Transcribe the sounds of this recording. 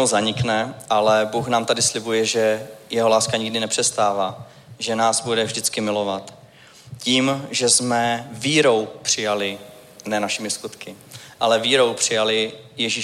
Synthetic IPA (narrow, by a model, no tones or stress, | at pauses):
ozaɲɪknɛʔalɛbuːxnaːmt̪adɪslɪbujɛʒɛjɛɦo̞laːskaɲɪɡdɪnɛpr̝̥ɛst̪aːvaː | ʒɛnaːzbudɛvʒdɪt͡skɪmɪlo̞vat̪ | ciːmʒɛzmɛviːɾo̞wpr̝̥ɪjalɪ | nɛnaʃɪmɪskut̪kɪ | ʔalɛviːɾo̞wpr̝̥ɪjalɪjɛʒi